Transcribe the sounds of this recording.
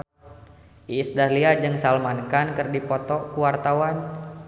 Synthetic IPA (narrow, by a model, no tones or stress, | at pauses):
ʔisdarliad͡ʒɨŋsalmankankɨrdipɔt̪ɔkuwart̪awan